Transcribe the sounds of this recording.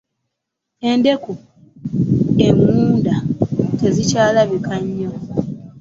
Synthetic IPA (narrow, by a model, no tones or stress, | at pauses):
e̞nde̞ku | e̞muːndate̞zicaːlaβikaɲːo